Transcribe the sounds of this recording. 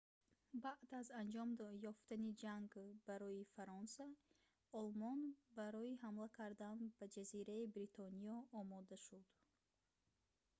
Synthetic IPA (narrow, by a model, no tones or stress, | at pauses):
baʔd̪azand͡ʒɔmjɔft̪anid͡ʒaŋɡbaɾɔifaɾɔnsa | ɔlmɔnbaɾɔiɦamlakʰaɾd̪anbad͡ʒaziɾaibɾit̪ʰɔniɔːmɔd̪aʃud̪̥